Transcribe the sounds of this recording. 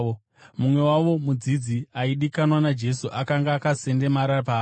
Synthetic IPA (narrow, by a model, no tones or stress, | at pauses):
o | mumwe̞waʋo̞mud͡zid͡ziaiɗikanwanad͡ʒe̞suʔakaŋɡaːkase̞nde̞maɾapaː